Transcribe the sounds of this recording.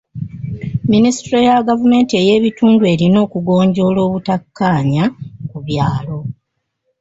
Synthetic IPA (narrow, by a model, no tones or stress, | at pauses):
minisi̥tɾojaɡavume̞ːntie̞je̞ːβituːndue̞ɾino̞ːkuɡo̞ːɲɟo̞lo̞ːβutakʰːaːɲakuβjaːlo̞